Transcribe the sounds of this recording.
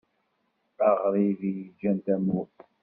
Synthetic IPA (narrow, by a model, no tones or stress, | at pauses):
aʁɾˤivijd͡ʒænd̪æmu